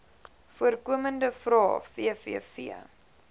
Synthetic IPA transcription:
fuərkuəməndəfrɑ̰ːfiəfiəfḭə

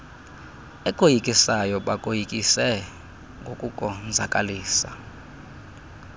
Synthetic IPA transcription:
ɛkʼojikʼisajɔɓakʼojikʼisɛ | ŋɡʱokʼukʼɔnd͡zʱakʼaliːsa̰

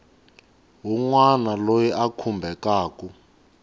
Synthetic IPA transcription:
ɦuŋwanalojiʔakʰumbʱɛkaːkʼu

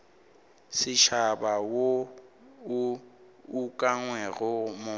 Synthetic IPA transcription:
sɪʃabawo | ukʼaŋwɛɣʊmʊ

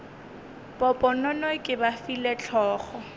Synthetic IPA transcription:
pʼɔpʼɔnɔnɔkʼɪbafilet͡ɬʰɔːχɔ

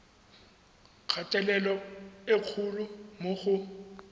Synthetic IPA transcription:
q͡χʰatʼɛlɛlɔeq͡χʰulʊmoχʊ

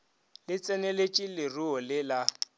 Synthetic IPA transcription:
lɪt͡sʼɛnelet͡ʃʼilɪruɔlɪla

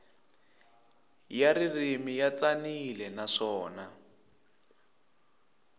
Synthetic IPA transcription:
jaɾirimijat͡sanilɛnaʂɔːna

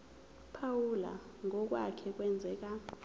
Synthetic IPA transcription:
pʰawula̰ | ŋɔk̬ʼwa̰kʰɛk̬ʼwɛnd͡zʱɛːk̬a

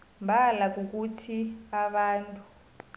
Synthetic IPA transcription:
mbʱalak̬uk̬utʰiaβaːntʼu

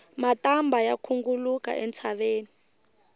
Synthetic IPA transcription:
matambʱajakʰuŋɡuluka̰ʔɛnt͡sʰaɓeːni

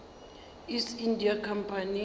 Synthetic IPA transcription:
isindʱiakʰampʰani

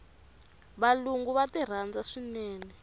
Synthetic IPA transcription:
βaluŋɡuβatir̤and͡zaʂinɛːnɛ

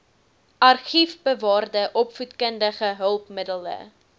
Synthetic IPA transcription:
ʔɐrχifbəvɑːrdəʔɔpfutkəndəχəɦəlˠpmədələ̰

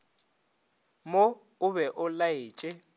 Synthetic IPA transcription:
mo | ʊbɛʔʊlaeːt͡ʃʼɪ

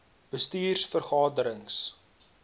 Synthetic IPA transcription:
b̥əstiːrsfərχɑːdəɾəŋs

